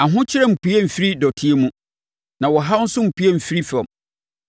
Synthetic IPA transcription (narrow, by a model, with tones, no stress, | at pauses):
a˨ɦʊ̃˦t͡ɕʰɪ˦ɾɛ˦m̩˨pu˨˦ɛ˦m̩˨fi˦ɾi˦dɔ˨tʰi˦e˦mũ˦ | nã˨wɔ˨ɦa˦n̩˦sʊ̃˦m̩˨pʰu˦ɛ˦˨m̩˨fi˦ɾi˦fɛ˨m